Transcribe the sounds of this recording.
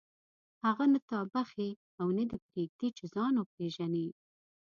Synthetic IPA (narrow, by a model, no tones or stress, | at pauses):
haɣanət̪ɑbaxe | awned̪əpɾeɡ̚d̪et͡ʃezɑnopɾeʒane